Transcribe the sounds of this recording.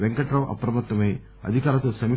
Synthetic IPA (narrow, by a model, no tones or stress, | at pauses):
ʋeŋkɐʈɾɐwʔɐ̰pɾɐmɐt̪ːɐmɐj | ɐ̰d̪ʱikaːɾɐt̪oːsɐmi